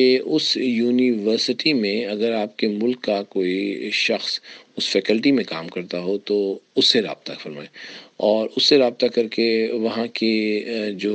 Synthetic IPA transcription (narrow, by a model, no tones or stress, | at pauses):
eʊsjuːniʋəɾsɪʈimẽɐɡəɾaːp̚kemʊlkːakoːiʃɐxsʊsfɛːkəlʈimẽkaːmkɐɾt̪aɦot̪oʊsːeɾa̰ːb̚t̪afɐɾma̰ːeɔːɾʊsːeɾaːb̚t̪akɐɾkeʋɐɦãked͡ʒoː